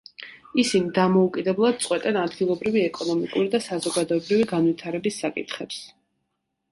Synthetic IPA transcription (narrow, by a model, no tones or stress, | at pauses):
isinid̪amɔukʼid̪ɛblˠad̪̚t̪sʼqʼwɛt̪ʼɛnad̪ɡilˠɔbɾiviɛkʼɔnɔmikʼuɾid̪asazɔɡad̪ɔɛbɾiviɡanvwit̪ʰaɾɛbisːakʼḭt̪ʰχɛps